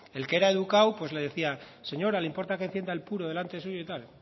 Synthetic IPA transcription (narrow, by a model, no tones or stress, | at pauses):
e̞lkee̞ɾae̞ðukawpwe̞zle̞ð̞e̞θia | se̞ɲo̞ɾaleimpo̞ɾt̪akenθje̞nd̪aelpuɾo̞ð̞e̞lant̪e̞suʝoit̪al